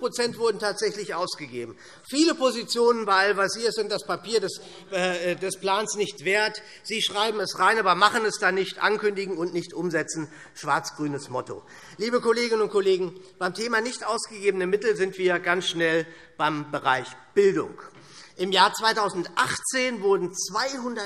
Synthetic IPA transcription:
pʁ̥ot͡sɛntv̥ʊɐdn̩tʰaːtz̥ɛçlɪçʔa̰ʊsɡ̥əɡḛːbm̩ | fiːləpozit͡sjoːnənbaalvasiːɐsɪnt̚d̥aspapʰiːɐdɛs | ɛːdɛsplaːnsnɪçtv̥eːɐt | z̥iːʃʁ̥aɪbm̩ɛsʁaɪnʔaːbɐmaχənɛsd̥anɪçtʔa̰nkʏndɪɡŋ̩ʊntnɪçtʔʊmzɛt͡sn̩ | ʃv̥aɐt͡sɡ̥ʁyːnəsmɔtʰo̰ | liːbəkoleːɡɪnənʊnt̚kʰoleːɡŋ̩b̥aɪmtʰeːmanɪçtʔaʊsɡ̥əɡeːbənəmɪtl̩zɪntv̥iːɐɡansʃnɛl | b̥aɪmbəʁaɪçb̥ɪldʊ̰ŋk | ʔɪmjaːɐt͡sv̥aɪtʰaʊzn̩tʔaχt͡seːnvʊɐdn̩t͡sv̥aɪhʊndɐ

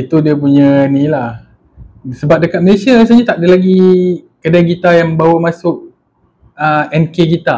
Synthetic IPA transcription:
it̪udiəp̬uɲənĩlah | səbap̚dəkat̪̚məlesiaɾas̬aɲat̪aʔ̚dəlaɡikədaɡit̪ajaŋməbawəmãsʊk̚ | əɛnkeɡit̪a

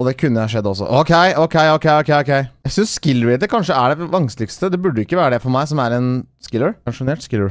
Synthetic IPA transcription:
ɔd̪ɛkʰʉnːəɑʂɛd̪ːəɔsːɔ̰ʔɔːkʰɛɪʔɔʊkʰɛɪɔʊkʰɛɪɔkʰɛɪɔːkʰɛɪjæɪsʏnsːkɪlːəɹɪd̪əkʰɑnʂəæɖɛʋɑŋslɪkst̪əd̪ɛbʉɖːəɪkːəʋæːɾəd̪ɛfɔɾmæɪsɔmæɾɛnskɪlːəɹɑŋʂʊnɛʈ̪skɪlːəɹ

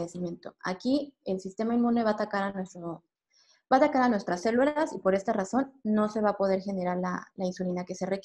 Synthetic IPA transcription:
esimjẽ̞nt̪o̞a̰kielsist̪e̞mainmũne̞βaːt̪akaɾanwest̪o | baːt̪akaɾanwe̞st̪ɾasːe̞lwelasipo̞ɾe̞st̪araso̞nːo̞se̞βapo̞ð̞e̞ɾxe̞ne̞ɾaɾla̰lainsulinake̞se̞rek

